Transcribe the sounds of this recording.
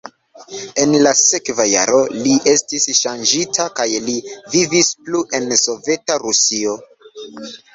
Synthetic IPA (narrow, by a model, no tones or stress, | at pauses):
e̞nlase̞kvaja̰ɾo̞liʔe̞stisʃand͡ʒitʰakajlivivispluʔe̞nso̞ve̞taɾusio̞